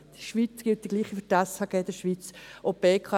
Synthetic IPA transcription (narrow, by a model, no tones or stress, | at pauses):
d̥iʃʋit͡sɡ̥ɪlt̚d̥̪iɡ̥liːχiftashɑɡ̥ɛːd̥̪əʃʋit͡sʔopeːkʰɑ